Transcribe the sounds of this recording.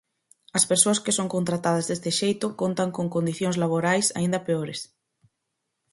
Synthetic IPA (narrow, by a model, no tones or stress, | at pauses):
ɐspeɾsoɐskɪsoŋkont̪ɾat̪að̞ɐzðest̪ɪʃejt̪ʊkont̪ɐŋkoŋkond̪iθjõŋszlaβ̞oɾajsa̰ind̪ɐpeoɾes